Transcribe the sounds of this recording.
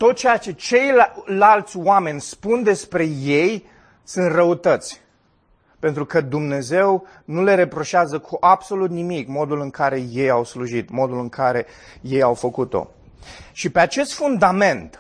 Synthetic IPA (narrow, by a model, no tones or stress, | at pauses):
t̪o̞t̪t͡ʃejat͡ʃe̞t͡ʃe̞jllalt̪sʲwame̞nʲspund̪e̞spɾe̞je̞j | sɨnt̪rəut̪ət̪sʲ | pe̞nt̪ɾukəd̪umne̞ze̞w | nule̞ɾe̞pɾo̞ʃeazəkʰuʔabso̞lut̪nimikmo̞d̪ulɨŋkaɾe̞je̞jawsluʒit̪mo̞d̪ulɨŋkʰaɾe̞ | je̞jawfəkut̪o̞̰ | ʃipe̞at͡ʃe̞st̪fund̪ame̞nt̪